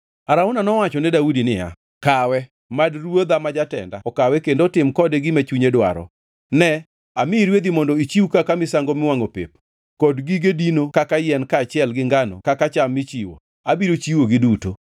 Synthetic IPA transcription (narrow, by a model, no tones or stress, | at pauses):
aɾaʊnanɔwat͡ʃɔnɛdaudinɪja̰ | kawɛ | madrwod̪amad͡ʒatɛ̰nda̰ɔkawɛkendotɪmkɔdeɡɪmat͡ʃuɲedwa̰ɾɔ̰ | nɛ | amɪɾwed̪imɔndɔit͡ʃiwukakamɪsaŋɡomɪwaŋopḛp | kɔdɡiɡedinokakajɛnkaːt͡ʃɪɛlɡɪŋɡanɔ̰kakat͡ʃamːɪt͡ʃiwo̰ | abiɾot͡ʃiwoɡɪduto